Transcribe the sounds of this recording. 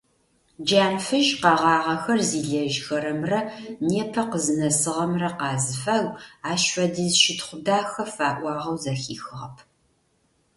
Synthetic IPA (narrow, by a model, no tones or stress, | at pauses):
d͡ʒaːnfɨʒqɑʁɑːʁɐxɐrziːɮɐʒxɐɾɐmrɐneːpʰɐqəzɨnɐsɨʁɐmrɐqɑːzɨfɐwaːʃɐdizʃɪtχʷʊdaːxɐfaːʔʷɑːʁɐwzɐxḭːxɨʁɐpʰ